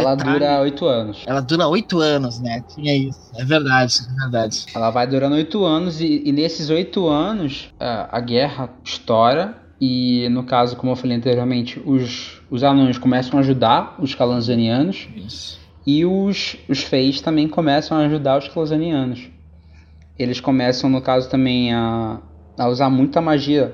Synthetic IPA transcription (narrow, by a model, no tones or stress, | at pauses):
ɛlɐd̪uɾɐojt̪ʊɐ̃nʊsɛlɐd̪uɾɐojt̪ʊɐ̃nʊznɛt͡ʃĩɲɐisʊɛveɾd̪ad͡ʒɪɛveɾd̪ad͡ʒɪɛlɐvajd̪uɾɐ̃nd̪ojt̪ʊɐ̃nʊzɪːnesɪzojt̪ʊɐ̃nʊsɛ̰ɐ̰ɡɛɦɐiʃt̪ɔɾɐ | ɪnʊkazʊkõmʊewfalejɐ̃t̪eɾjioɾmẽnt͡ʃɪʊsʊzanõjʊʃkõmɛsɐ̃w̃aaʒud̪aɾʊskalɐ̃zɐ̃niɐ̃nʊsi̥ | ɪʊsʊsfejʃt̪ɐ̃mbẽj̃kõmɛsɐ̃w̃aːʒud̪aɾʊskalɐ̃zɐ̃niɐ̃nʊs | elɪskõmɛsɐ̃w̃nʊkazʊt̪ɐ̃mbẽj̃aː | uzaɾmũj̃t̪ʊɐmaʒiɐ